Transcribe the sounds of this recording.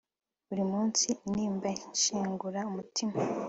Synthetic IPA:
βuɾimuːnsiniːmbanʃiːŋɡuɾaumutʰima

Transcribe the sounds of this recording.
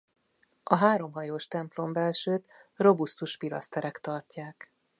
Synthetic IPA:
ʔɒɦaːɾo̞mɦɒjoːʃt̪ɛmplo̞mbɛlʃøːt̪ro̞bust̪uʃpilɒ̰st̪ɛɾɛkt̪ɒrcaːk

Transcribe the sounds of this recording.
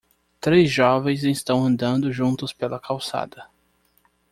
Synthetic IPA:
t̪ɾezʒɔvẽj̃zẽst̪ɐ̃w̃ɐ̃nd̪ɐ̃nd̪ʊʒũnt̪ʊspelɐkʰawsa̰d̪ɐ

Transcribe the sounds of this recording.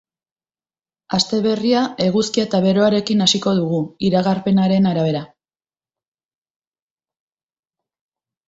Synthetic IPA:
ast̪e̞β̞e̞riae̞ɣuskiaet̪aβe̞ɾo̞aɾe̞kinasiko̞ðuɣ̞uiɾaɣaɾpe̞naɾe̞naɾaβe̞ɾa

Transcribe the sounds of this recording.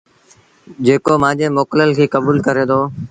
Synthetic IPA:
d͡ʑeːkoːmãːd͡ʑeːmoːkləlkʰiːkəbuːlkəɾeːd̪oː

